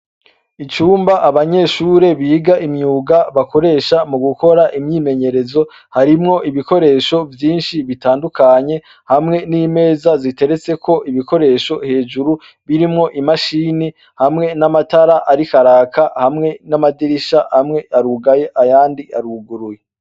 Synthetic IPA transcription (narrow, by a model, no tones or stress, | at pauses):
it͡ʃuːmbaʔaβaɲe̞ʃuːɾe̞βiːɡaʔimɲuːɡaβako̞ɾe̞ːʃamuɡuko̞ɾaʔimɲiːme̞ɲe̞ɾe̞zo̞ | haɾimŋo̞ʔiβiko̞ɾe̞ːʃo̞vjiːnʃiβitaːndukʰaɲe̞ | hamŋe̞niːme̞ːzazite̞ɾe̞t͡se̞kʰo̞ʔiβiko̞ɾe̞ːʃo̞he̞ːʒuɾu | βiɾimŋo̞ʔimaʃiːni | hamŋe̞namataɾaʔaɾikaɾaːkʰahamŋe̞namadiɾiʃahamŋe̞ʔaɾuɡaje̞ʔajaːndiaɾuɡuɾuje